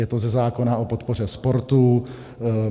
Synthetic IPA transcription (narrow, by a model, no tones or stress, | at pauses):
jɛt̪ozɛzaːkonaʔo̞po̞t̪po̞rɛspo̞ɾt̪u